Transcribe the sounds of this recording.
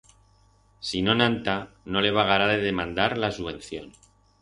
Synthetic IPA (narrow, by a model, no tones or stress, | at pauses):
sino̞nãnt̪a | no̞le̞βaɣaɾaðe̞ðe̞mãnd̪aɾlasuβ̞ẽ̞n̟θjo̞n